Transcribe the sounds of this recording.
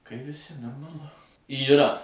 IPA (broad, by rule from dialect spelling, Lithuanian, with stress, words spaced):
kɐɪ ʋʲɪˈsʲɪ noːrmɐˈlˠʊ iːˈrɐ